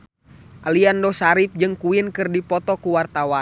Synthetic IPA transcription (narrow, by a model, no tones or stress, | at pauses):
ʔaliandɔsaɾip̚d͡ʒɨŋkuinkɨrdipɔt̪ɔkuwart̪awan